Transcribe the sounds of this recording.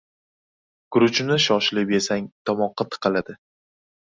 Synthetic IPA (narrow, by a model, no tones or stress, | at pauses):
ɡ̥ʊɾʊt͡ʃnɪʃɒʃlɪbe̞saŋt̪ʰɒmɒqʰːɑt̪ʰɨ̥qʰɑlad̪ɪ